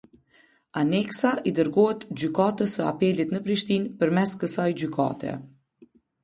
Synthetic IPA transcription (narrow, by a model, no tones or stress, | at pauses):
anɛksaʔid̪əɾɡɔɦɛt̪d͡ʑykat̪əsəa̰pɛlit̪nəpɾiʃt̪inpəɾmɛskəsajd͡ʑyka̰t̪ɛ̰